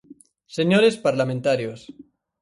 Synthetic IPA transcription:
seɲoɾespaɾlamẽnt̪aɾjos

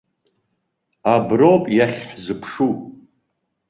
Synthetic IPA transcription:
abropʼjaχʲħzɨpʰʂu

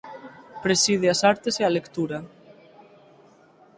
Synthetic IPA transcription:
pɾesið̞easaɾt̪esealekt̪uɾa

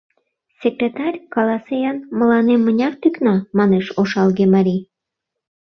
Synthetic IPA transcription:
sʲekɾʲet̪ɑrʲkɑlɑsejɑnmə̆lɑnemːənʲɑrt̪yknɑmɑneʃoʃɑlɣemɑɾʲi

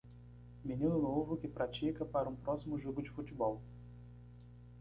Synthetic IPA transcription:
minĩnʊnovʊkɪpɾʔat͡ʃikɐpaɾɐũpɾɔsimʊʒoɡʊd͡ʒɪfut͡ʃɪbɔw

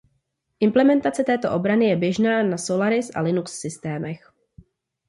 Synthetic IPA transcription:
ʔɪmplɛmɛnt̪at͡sɛt̪ɛːt̪o̞̰ʔo̞bɾanɪjɛbjɛʒnaːnasolaɾɪsʔa̰lɪnuksːɪst̪ɛːmɛx

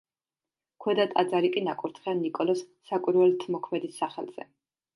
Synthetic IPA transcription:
kʰwɛd̪at̪ʼad̪zaɾikʼinakʼuɾt̪ʰχɛanikʼɔlɔsːakʼiɾvɛlt̪ʰmɔkʰmɛd̪isːaχɛ̰lˠz̥ɛ̰

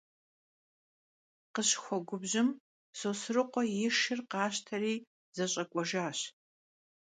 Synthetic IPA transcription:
qəɕxʷɔɡʷʊbʑɪm | sosɨrɨqʷɔjɪʂɪrqɑːɕtʰɐriː | z̥ɐɕʼɐkʷʼɔʒaːɕ

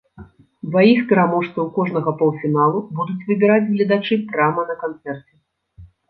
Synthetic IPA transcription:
d̪vajixpʲɛɾamɔʂst̪vɐwkɔʐnɐɣɐpɔw̪ˠfʲinalˠubud̪ut͡sʲvɨbʲɛɾad͡zʲɣlʲɐd̪at͡ʂɨpɾamɐnɐkant̪sɛrt͡sʲɛ

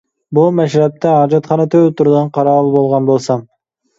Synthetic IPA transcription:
bumɛʃɾɛp̚t̪ʰɛɦɑːd͡ʒɑt̪χɑnət̪ʰøt̪uɾɨd̪ɨnqʰɑɾɑːlˠɨbolˠʁɑnbolˠsɑm

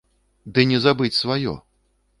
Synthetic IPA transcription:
d̪ɨnʲɛzabɨt͡sʲsvajɔ̰

